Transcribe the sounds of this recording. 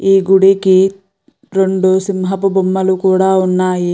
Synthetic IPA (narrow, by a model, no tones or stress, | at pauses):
iːɡuɽeki | ɾoɳɖusimɦɐpubumːɐlukuːɽaunːae